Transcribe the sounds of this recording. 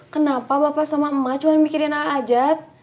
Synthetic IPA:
kənapabapasamamat͡ʃuɦanmikiɾanaːd͡ʒat̪̚

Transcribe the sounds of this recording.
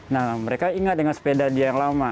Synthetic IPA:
nahməɾekaiŋat̪̚dəŋansə̥pedadiajaŋlama

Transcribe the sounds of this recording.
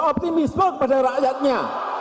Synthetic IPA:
ɔp̚t̪imismək̚padaɾaʔjat̪̚ɲa

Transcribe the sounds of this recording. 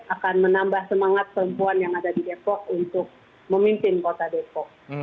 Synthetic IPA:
ʔakanmənambahsəmaŋat̪̚pəɾəmpuanjaŋadadidepɔkunt̪ʊk̚ | məmimpɪnkot̪adepɔk̚

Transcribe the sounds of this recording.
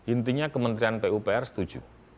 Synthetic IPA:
hint̪iɲakəmənt̪ɾianpeupeɛrsə̥t̪ud̥ʒ̥u

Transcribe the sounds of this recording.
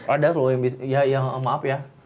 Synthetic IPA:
adafloŋbisjajaŋamapja

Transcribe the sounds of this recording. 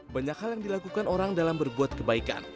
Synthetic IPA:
baɲakɦaljaŋdilakukanoɾaŋdalambərbuat̪̚kəbaika̰n

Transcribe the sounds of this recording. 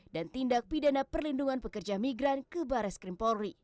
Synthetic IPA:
dant̪indak̚pidanapərlinduŋanpəkərd͡ʒamiɡɾankəbaɾɛskɾimpɔlri

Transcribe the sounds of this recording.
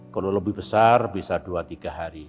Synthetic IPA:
kaloləbɪhbəsarbisaduat̪iɡ̥aɦaɾi

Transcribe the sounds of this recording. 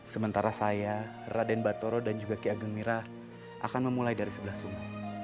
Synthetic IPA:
səmənt̪aɾasaja | radɛnbat̪oɾodand͡ʒuɡakiaɡəŋmiɾa | ʔa̰kanməmulaidaɾisəbəlahsumah

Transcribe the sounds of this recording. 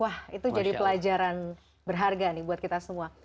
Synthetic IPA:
wahit̪ud͡ʒadipəlad͡ʒaɾan | bərɦarɡanɪhbuat̪kit̪asəmua

